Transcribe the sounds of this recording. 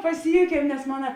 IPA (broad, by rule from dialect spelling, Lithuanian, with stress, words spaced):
pɐˈsʲɪjuːkʲiɛm nʲɛs ˈmoːnɐ